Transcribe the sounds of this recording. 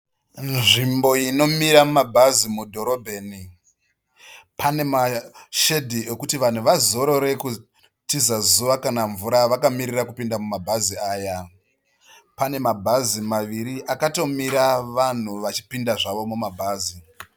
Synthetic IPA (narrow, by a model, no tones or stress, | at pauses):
nnʐimbo̞ino̞miɾamumabʱazimudʱo̞ɾo̞bʱe̞ːni | pʰane̞maʃe̞dʱie̞kutiʋan̤uʋazo̞ɾo̞ɾe̞ku | tizazuʋakanaɱvuɾaʋakamirirakupindamumabʱaziaːja | pane̞mabʱazimaʋiɾiʔakato̞miɾaʋan̤uʋat͡ʃi̥pindaʐaʋo̞mumabʱaːzi